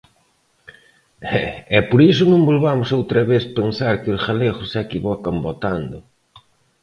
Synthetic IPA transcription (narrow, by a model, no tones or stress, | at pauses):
ɛɛpoɾisʊnõmbolβamʊsowt̪ɾɐβeθpensaɾkɪʊsɣaleɣʊsɛkiβɔkɐmbot̪and̪ʊ